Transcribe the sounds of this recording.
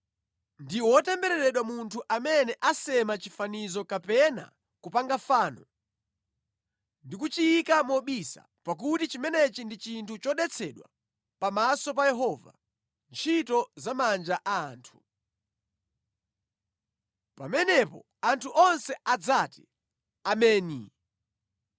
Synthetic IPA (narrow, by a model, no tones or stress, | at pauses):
ndiwɔwɔtɛmbɛɾɛɾɛɗwamuntʰuʔamɛnɛʔasɛmat͡ʃifanizɔkapɛna̰ | kupaŋɡafaːnɔ | ndikut͡ʃijikamɔɓisa̰ | pak̬utit͡ʃimɛnɛt͡ʃindit͡ʃintʰut͡ʃɔɗɛt͡sʰɛɗwa̰ | pamasɔp̬ajɛɦɔːva̰ | nt͡ʃʰitɔzamand͡ʒaʔaːntʰu̥ | pamɛnɛpɔ̰ | antʰuʔɔnsɛad͡zati | amɛːnḭ